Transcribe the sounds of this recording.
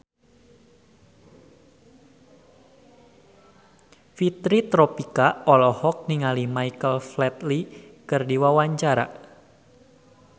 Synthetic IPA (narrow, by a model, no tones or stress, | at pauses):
fit̪ɾit̪ɾopikaɔlɔhɔk̚niŋalimajkəlflɛt̪likɨrdiwawaɲt͡ʃaɾa̰